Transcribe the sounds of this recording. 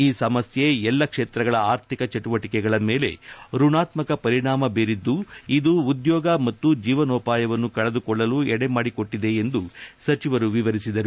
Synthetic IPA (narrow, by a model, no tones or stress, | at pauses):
iːsɐmɐsje̞ɛlːɐkʂeːt̪ɾɐɡɐɭɐaːɾt̪ʰikɐt͡ʃɐʈuʋɐʈikɛɡɐɭɐme̞ːle̞̰ɾuɳaːt̪mɐkɐpɐɾiɳaːmɐbeːɾid̪ːuid̪uːd̪jɔːɡɐmɐt̪ːud͡ʒiːʋɐnɔːpaːjɐʋɐnːukɐɭed̪ukɔɭːɐluɛɽemaːɽiko̞ʈːid̪e̞ːnd̪usɐt͡ʃiʋɐɾuʋiʋɐɾisid̪ɐɾu